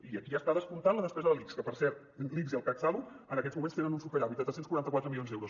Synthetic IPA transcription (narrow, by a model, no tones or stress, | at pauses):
iəkiaəst̪aðəsmunt̪anləðəspɛzəðəlikskəpəɾsɛɾt̪̚ | likziəlˠkaksaðu | ənəkɛzmumẽnst̪enənunsufəʎaβit̪ət̪ɾəsenskuɾant̪əkwat̪ɾəmilionzðɛwɾus